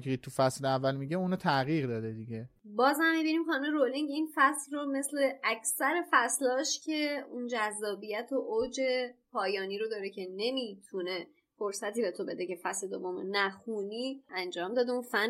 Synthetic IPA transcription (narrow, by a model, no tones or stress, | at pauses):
kɾit̪̚t̪ʰːufæsleævːælmiɟeunot̪ʰæɣiːɣd̪ɒːd̪ed̪iɟe | bɒːzhæmːibiniːmχɒːnumeɾoliŋɟinfæslrome̞sle̞æcʰsæɾe̞fæslɒːʃcʰe̞und͡ʒæzːɒːbijæt̪ʰoʔowd͡ʒe̞pʰɒːjɒːniːɾod̪ɒːɾecʰe̞ne̞miːt̪ʰune̞ | foɾsæt̪iːbe̞t̪ʰo̞be̞d̪e̞ce̞fæsle̞d̪ovːo̞mo̰næxuːniːænd͡ʒɒːmd̪ɒːd̪eunfæn